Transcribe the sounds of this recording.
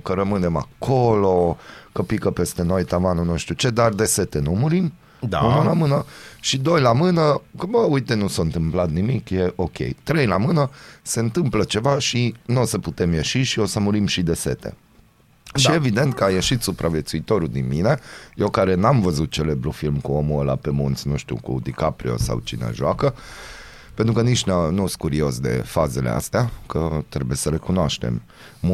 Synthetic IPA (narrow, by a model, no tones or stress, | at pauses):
kəɾəmɨne̞ma̰kʰo̞lo̞kəpikəpe̞st̪e̞no̞jt̪avanunuʃt̪ut͡ʃe̞d̪ard̪e̞se̞t̪e̞numuɾim | d̪munəlamɨnəʃid̪o̞jlamɨnəkəbəujt̪e̞nusaɨnt̪ɨmplat̪nimikje̞ʔo̞kʲe̞̰jt̪ɾe̞jlamɨnəse̞ɨnt̪ɨmplət͡ʃe̞vaʃinosəput̪e̞mjeʃiʃio̞səmuɾimʃid̪e̞se̞̰t̪ḛ | ʃievid̪e̞nt̪̚kəajeʃit̪supɾʔavje̞t̪suit̪o̞ɾud̪inmine̞jewkaɾe̞namvəzut̪̚t͡ʃe̞lebɾufilmkuo̞muəla̰pe̞munt̪sʲnũʃt̪ṵkṵd̪ikapɾio̰sa̰wt͡ʃḭnḛʒoakə | pent̪ɾukəniʃnanus̚kuɾio̞sd̪e̞̰fazelḛa̰st̪eakət̪ɾebuje̞səle̞kunoaʃt̪e̞̰mː